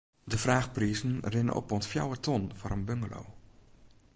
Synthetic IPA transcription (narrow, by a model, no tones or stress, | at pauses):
dəfraːxpriːzən̩rɪnə̰ʔɔ̰pɔnsfja̰wətʰɔnfɔɾənbøŋɡəlo̰w